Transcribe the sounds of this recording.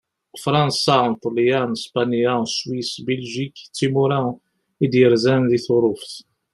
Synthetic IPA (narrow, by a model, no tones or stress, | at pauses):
fɾˤɑnsant̪ˤəlijanspanjæswisbəlʒikt͡sːimuɾa | id̪jəɾzænðiθʊɾˤʊfθ